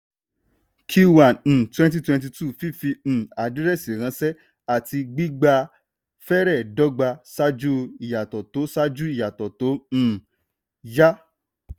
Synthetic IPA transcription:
kʰu˦wa˨ñ̩˨twɛ̃˦n˦t̬i˦twɛ̃˧nt̬i˧tu˦˨fi˦fi˧ñ̩˨a˨di˦ɾɛ˦˨si˨ɾ̃ã˨˦sɛ˦ | a˦˨ti˧ɡ͡bi˦ɡ͡ba˧ | fɛ˦ɾɛ˦˨dɔ˦ɡ͡ba˧sa˦d͡ʒu˦i˨ja˨tɔ˨to˨˦sa˦d͡ʒu˦i˦˨ja˨tɔ˨to˨˦ñ̩˦˨ | ja˦

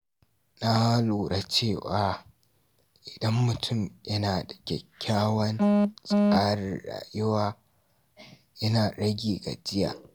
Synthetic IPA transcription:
na˦luː˨ɽa˦t͡ʃeː˦˨waː˨ | ʔɪ˨dɐ˦mːʊ˨tʰʊ˦˨mjɐ˦naː˨dɐ˨kʲɛ˨kʲːaː˦wɐ˦nsʼɐ˨kaː˦ɽɪ̰˨nɽa̰ː˨jʊ˦waː˦ | jɐ˦naː˨ɗɐ˦ɡʲiː˨ɡa̰˨d͡ʒɪ˦ja̰ː˨

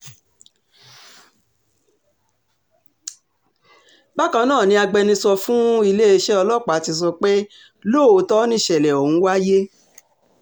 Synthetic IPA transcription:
ba˦kã˧˦nãː˦˨nĩ˧a˧ɡ͡bɛ˧nĩ˧sɔ˧fũ˦i˧le˦e˧ʃɛ˦ɔ˧lɔ˦˨k͡pa˨˦tĩ˧s̬ɔ˧k͡pe˦ | lo˦˨o˨˦tɔ˦nĩ˦˨ʃɛ˨lɛ˨o˨hũ˨˦wa˦je˦

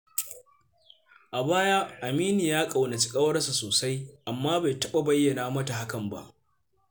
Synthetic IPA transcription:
ʔa˨baː˦jaː˦ʔa˨miː˦ni˨jaː˦kʼa˨wna˨t͡ʃɪ̥˦kʼɐ˦wɐ˦rsa˨soː˨sa˦jʔa˨mːaː˦ba˨jtɐ˦ɓa˨bɐ˦jːɐ˨naː˦mɐ˦ta˨ɦa˦kɐ˨mba̰˦ʔ

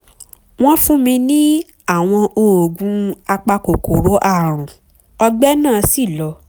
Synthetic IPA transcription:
w̃ɔ̃˦fũ˦mĩ˧nĩ˦ | a˦˨w̃ɔ̃˧ʔo˧˨o˨ɡũ˨˦a˧k͡pa˧ko˨ko˨ɾo˨˦ʔa˦˨ɾ̃ũ˨ | ɔ˧ɡ͡bɛ˦nãː˦˨˧si˦˨lɔ˨˦

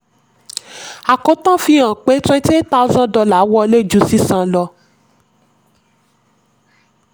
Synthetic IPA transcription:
a˨kõ˨˦tã˦fĩ˧ã˨k͡pe˨˦tã˦te˦ta˦u˦zã˦dɔ˧la˨˦wɔ˧˦le˦d͡ʒu˧˦si˦sã˧lɔ˧

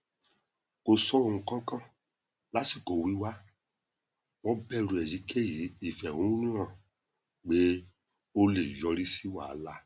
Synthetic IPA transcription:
ko˧sɔ˦o˧˨ũ˧kã˦kã˦ | la˨˦ti˦˨ko˨wi˨˦wa˦ | w̃ɔ̃˦bɛ˦˨ɾu˧˨ɛ˨ji˨˦kʰe˦˨ji˨˦i˦˨fɛ˨wũ˨˦nũ˦ã˦˨ | ɡ͡be˦ | o˦le˨jɔ˧ɾi˦si˦wa˦˨˦la˦

